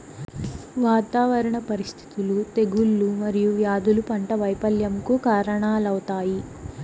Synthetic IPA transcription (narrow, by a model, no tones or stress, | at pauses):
ʋaːt̪aːʋɐɾɐɳɐpɐɾist̪ʰi̥t̪ulut̪e̞ɡulːumɐɾijuʋjaːd̪ulupɐɳʈɐʋɐjpɐljɐmkukaːɾɐɳaːlɐwut̪aːji